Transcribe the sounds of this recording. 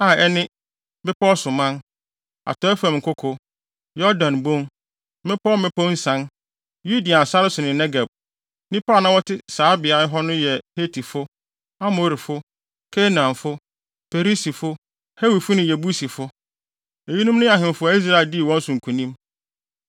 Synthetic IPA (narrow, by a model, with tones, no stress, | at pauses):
a˦˨ɛ˦nɪ̃˦ | bɪ˦pɔ˦sʊ˨mã˦n | a̰˨tʰɔ˨˦ɛ˦fã˨m˨ŋ̩˨kʰʊ˦kʰʊ˦ | jɔ˦dã˨nbõ˦n | mɪ̃˦pʰɔ˦mɪ̃˦pɔ˦n̩˦sã˦n | ju˦di˨a˨sa˦ɾɪ˦sʊ˨nɪ̃˨nɛ˦ɡa˨b̚ | nĩ˦paː˦˨nã˦wɔ˦tʰɪ˦saː˨˦bɪ˨a˨˦ɪ˦ɦɔ˦nʊ̃˦jɛ˨he˦tʰi˨fʊ˦ | a˦mo˨ɾi˨fʊ˦ | kʰe˦nã˨nfʊ˦ | pʰe˨ɾi˦si˨fʊ˦ | he˦wi˨fʊ˦nʊ̃˨jɛ˨bu˦si˨fʊ˦ | e˨ji˦nũ˦mnʊ̃˦a˨ɦɪ̃˨m˨fʊ˦a˨˦i˦s̬ɾa˦ɪ˨di˦˨wɔ̃˦n̩˦sʊ̃˨ŋ̩˨kʰũ˨nĩ˦m